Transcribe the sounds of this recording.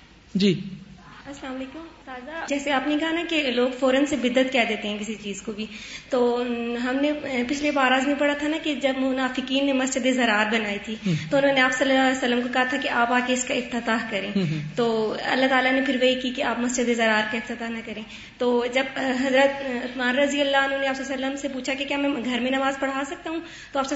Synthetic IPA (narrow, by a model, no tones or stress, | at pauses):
d͡ʒiːɐslaːmɐleːkʊmt̪aːzad͡ʒɛːseaːpnekɐɦanakeloːɡfɔːɾənsebɪd̪ːət̪kɛːd̪eːt̪eɦɛ̃k̬ɪsit͡ʃiːzkobʱit̪oːɦɐmnepɪt͡ʃʰlebaːɾaːzmẽpɐɽat̪ʰanaked͡ʒɐbmʊnaːfɪkiːnːemɐst͡ʃəd̪ezɐɾaːɾbɐnaːit̪ʰit̪oʊnɦõneaːpsɐlːsɐlːəmkokɐɦat̪ʰakiʔaːpaːkeɪskaɪft̪ɪt̪aːɦkɐɾẽːt̪oːɐ̰lːaɦt̪aːlanepʰɪɾʋɐɦikikiaːpmɐsd͡ʒəd̪ezɐɾaːɾkaɪft̪ɪt̪aːɦnɐkɐɾẽː | t̪oːd͡ʒɐbɦɐzɾət̪ʊt̪maːnɾɐzijəlːaʊnɦõːneaːpsɐlːsɐlːəmsepuːt͡ʃʰakikjaːmɛ̃ɡʱɐɾmẽnɐmaːzpɐɽ̤aːsɐk̚t̪aɦũ | t̪oaːpse